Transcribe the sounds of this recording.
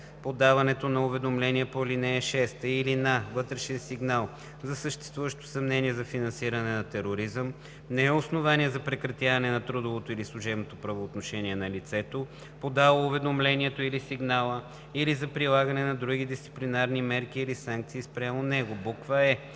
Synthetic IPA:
pod̪avɐnɛt̪onɐʊvɛd̪omlɛniɛpolinɛːʃɛst̪əilinavɤt̪ɾɛʃɛnsiɡnalˠ | zɐsəʃt̪ɛ̥st̪vuvəʃt̪o̥sɐmnɛniɛzɐfinɐnsiɾɐnɛnɐt̪ɛɾoɾizəm | nɛɛosnovaniɛzɐpɾɛkɾɐt̪javɐnɛnɐt̪ɾud̪ovot̪oilislˠuʒɛbnot̪opɾɐvoːt̪noʃɛniɛnɐlit̪sɛt̪o | pod̪alˠoːvɛd̪omlɛniɛt̪oilisiɡnalˠə | ilizɐpɾilˠaɡɐnɛnɐd̪ɾuɡ̟id̪ist̪si̥plinaɾnimɛɾk̟iːlisaŋk̚t̪siːspɾʲamonɛɡobukvəɛ

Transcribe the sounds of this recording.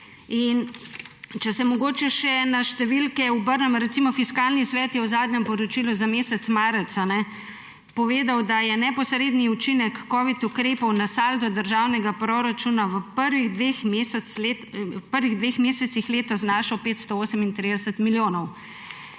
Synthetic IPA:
in | t͡ʃɛsɛmɔɡoːt͡ʃɛʃɛnaʃt̪ɛʋilkɛubəɾnɛmɾɛt̪simɔfiskaːlnisʋɛːt̪jɛwzaːd̪ɲɛmpɔɾɔt͡ʃiluzameːsɛt̪smaːɾɛt̪sanɛ | pɔʋeːd̪awd̪ajɛnɛpɔsɾeːd̪niut͡ʃinɛkːɔːʋit̪ukɾeːpɔwnasalt̪ɔd̪əɾʒaːwnɛɡapɾɔɾat͡ʃunaʋəpəɾʋiɣd̪ʋexmesɛe | pəɾʋiɣd̪ʋeːxmeːsɛt̪sixleːt̪ɔznaʃɔpeːt̪st̪ɔoːsɛmint̪ɾid̪ɛsət̪miljoːnɔw

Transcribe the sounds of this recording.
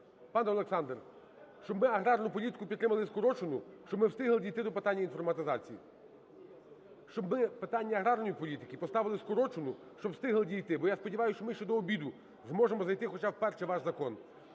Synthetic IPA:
pɑnɛɔlˠeksɑnd̪r | ʃt͡ʃɔbmɪɐɦɾɑrnʊpɔlʲit̪ɪ̥kʊpʲd̪t̪ɾɪmɐlˠɪskɔɾɔt͡ʃʊnʊʃt͡ʃɔbmɪwst̪ɪɦlˠɪdʲijt̪ɪd̪ɔpet̪ɑnʲːɐinfɔrmɐt̪ɪzɑt͡sʲijḭ | ʃt͡ʃɔbmɪpet̪ɑnʲːɐːɦɾɑrnɔjipɔlʲit̪ɪ̥kɪpɔst̪ɑʋɪlˠɪskɔɾɔt͡ʃʊnʊ | ʃt͡ʃɔbst̪ɪɦlˠɪdʲijt̪ɪbɔjaspɔdʲiʋɑjʊst͡ʃɔmɪʃt͡ʃɔd̪ɔːbʲid̪ʊ | zmɔʒemɔzɐjt̪ɪxɔt͡ʃɑwpɛrʃɛʋɑʒzɐkɔn

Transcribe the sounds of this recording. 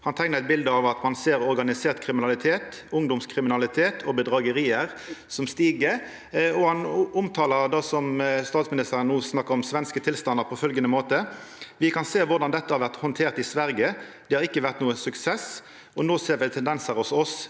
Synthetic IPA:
hɑnt̪ʰæɪnəʁɛt̪̚bɪld̪əɑʋɑt̪mɑnseːɾɔɾɡɑnɪseːʁt̪kʰʁɪmɪnɑlɪt̪ʰeːt̪ | ʊŋd̪ʊmskʰɾɪmɪnɑlɪt̪ʰeːt̪ʰɔbəd̪ʁɑːɡəɾiːəʁ | sɔmst̪iːɡə | ɔhɑnʊmt̪ʰɑːləɾd̪ɑːsɔmst̪ɑːt̪smɪnɪst̪əʁənnuːsnɑkːəɾɔmsʋɛnskət̪ʰɪlst̪ɑnd̪əɾpʰɔfœlɡənəmoːt̪əʋɪkʰɑnseːʋʊʁd̪ɑnd̪ɛt̪ːəhɑɾʋæʁt̪hɔnt̪ʰeːʁt̪ɪsʋæɾɡəd̪̥ɛhɑɾɪkːəʋæʁt̪nuːənsʉksɛs | ɔnoːseːʁʋɪt̪ʰɛnd̪ɛnsəɾɔsɔs

